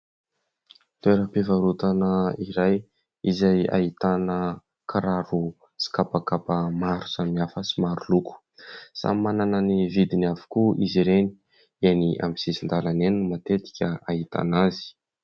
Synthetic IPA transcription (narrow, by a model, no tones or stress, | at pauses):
t̪eɾəpivaɾut̪anəiɾaj | izaja̰it̪anə | kʰaɾaɾu | si̥kapakapəmaɾu̥samniafəsimaɾuluku̥ | sa̰manananivid̪inavu̥kuʔiziɾeni̥ | eniʔa̰misizind̪alanenumat̪et̪i̥kʲəait̪a̰nazi̥